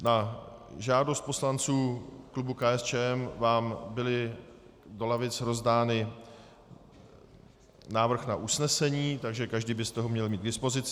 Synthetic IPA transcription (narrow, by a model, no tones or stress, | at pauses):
naʒaːdo̞st̪̚po̞slant͡suːklubukaɛst͡ʃɛːɛmvaːmbɪlɪ | do̞lavɪt͡sɾo̞zdaːnɪ | naːvr̩xnaʔusnɛsɛɲiːt̪aɡʒɛkaʒdiːbɪst̪o̞ɦomɲɛlmiːd̪ɡ̚dɪspo̞zɪt͡s